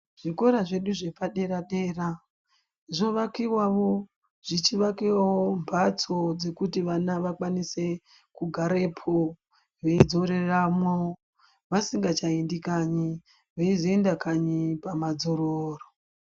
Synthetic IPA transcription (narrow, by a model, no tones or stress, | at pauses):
ʐ̥iko̞ɾaʐe̞ɗuʐe̞paɗe̞ɾaɗe̞ra | ʐo̞ʋakiwaʋo̞ | ʐ̥it͡ʃiʋakiwawombʱat͡so̞d͡ze̞kutiʋanaʋakwanise̞ | kuɡʱaɾe̞pʰo | ʋe̞id͡zo̞ɾe̞ramo | ʋasiŋɡat͡ʃaindikaɲi | ʋeiziendakaɲipamad͡zoɾoːro